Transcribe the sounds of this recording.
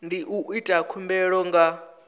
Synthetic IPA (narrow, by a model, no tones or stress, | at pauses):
ndiʔuʔitʼakʰumbɛɺɔŋɡa